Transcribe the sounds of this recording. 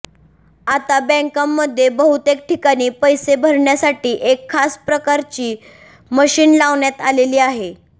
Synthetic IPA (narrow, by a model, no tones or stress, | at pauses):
at̪abɛ̃ŋkamːəd̪ʱːjebəɦut̪ek̚ʈʰikaɽ̃iːpəjsebʱəɾɳjasaʈiːʔekʰːaspɾəkaɾt͡ɕiː | məɕiːnlaʋɳjat̪aleliːaɦe